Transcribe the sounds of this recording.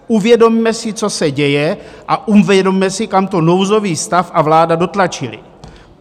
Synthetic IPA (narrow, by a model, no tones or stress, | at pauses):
ʔuvjɛdo̞mmɛsɪt͡so̞sɛɟɛjɛʔaʔumvɛdo̞mmɛsɪkamt̪o̞no̞wzo̞viːst̪afʔavlaːdado̞t̪lat͡ʃɪlɪ̰